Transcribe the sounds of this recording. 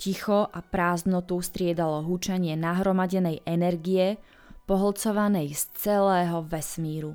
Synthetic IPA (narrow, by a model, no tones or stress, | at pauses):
cixɔʔapɾaːzd̪nɔt̪ust̪ɾɪɛd̪alɔɦut͡ʃaɲɪɛnaɦɾɔmaɟɛnɛjʔɛnɛɾɡijɛ | pɔɦl̩t͡sɔʋanɛjst͡sɛlɛːɦɔʋɛsmiːɾu